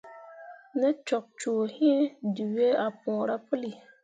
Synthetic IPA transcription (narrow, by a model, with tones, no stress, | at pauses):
nɛ˦t͡ʃɔ˨k̚t͡ʃoː˨hĩ˦du˨we˦a˨pɔ̃ː˨ɾa˦pə˦li˨